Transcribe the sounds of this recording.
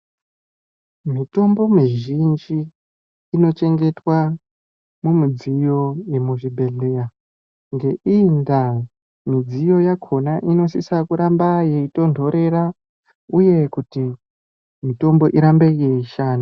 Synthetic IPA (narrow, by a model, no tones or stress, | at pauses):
mito̞mbo̞miʒind͡ʒiː | no̞t͡ʃe̞ŋɡe̞twa | mumid͡zijo̞je̞muʐibʱe̞ɮera | ŋɡe̞ʔinda | mid͡zijo̞jakʰo̞naʔino̞sisakuɾambaje̞ito̞ndʱo̞ɾe̞ɾa | uje̞kuti | mito̞mbo̞ʔiɾambe̞je̞iʃaːna